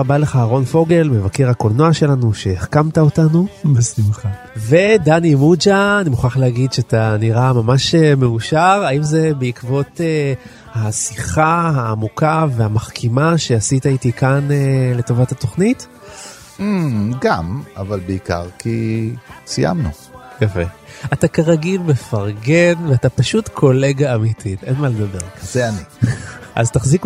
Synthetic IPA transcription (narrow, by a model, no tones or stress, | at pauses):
abaleχaaʁo̞nfo̞ɡe̞lme̞vakeʁhakolnoaʃe̞lanuʃe̞ːχkamtaotanubesimχa | ve̞danimud͡ʒaːnimuχaχleaɡidʃeataniʁamamaʃemeuʃaʁaimze̞beikvo̞te | hasiχahaːmukave̞amaχkʰimaʃe̞asitaitikanele̞to̞vathato̞χnit̩ | ɡamavalbeika̰ʁki | sija̰mnṵ | jafe̞atakaʁaɡilbefaʁɡenveatapaʃutkʰo̞le̞ɡaːmitʰite̞nmaled̪abe̞ʁkz̥eaniʔa̰ztaχzik